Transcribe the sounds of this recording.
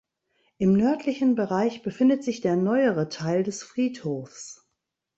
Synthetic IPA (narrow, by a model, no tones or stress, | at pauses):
ʔɪmnœɐtʰlɪçn̩bəʁaɪçb̥əfɪndətz̥ɪçd̥eːɐnɔʏəʁətʰaɪldɛsfʁ̥iːthoːfs